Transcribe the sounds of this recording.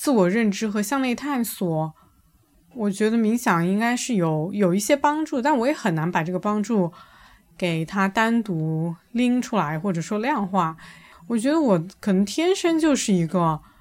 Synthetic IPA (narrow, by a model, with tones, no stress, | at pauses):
t͡sɹ̩˥˩wɔ˨˩ɻə˥˩nʈ͡ʂɻ̩˥xɤ˧˥ɕjɑ˥˧ŋne˥˧ɪt̪ʰa˥˩nswɔ˨˩˦ | wɔ˨˩t͡ɕɥɛ˧˥d̪ə˧mi˧˥ŋɕjɑ˨˩ŋi˥ŋka˥ɪʂɻ̩˥˩jo˨˧˩ʊjo˨˩ʊi˥˩ɕjɛ˥pɑ˥ŋʈ͡ʂu˥˧t̪a˥˩nwɔ˧˥jɛ˧˥xə˨˩na˧˥npa˨˩ʈ͡ʂɤ˥˩ɡə˩pɑ˥ŋʈ͡ʂu˥˩ | ke˨˩ɪt̪ʰa˥t̪a˥nt̪u˧˥li˥ŋʈ͡ʂʰu˥la˧˥ɪxwɔ˥˩ʈ͡ʂɤ˨˩ʂwɔ˥ljɑ˥˧ŋxwa˥˩wɔ˨˩t͡ɕɥɛ˧˥d̪ə˧wɔ˨˩kʰɤ˨˩nɤ˧˥ŋt̪ʰjɛ˥nʂə˥ŋt͡ɕjo˥˧ʊʂɻ̩˥˩i˧˥ɡə˧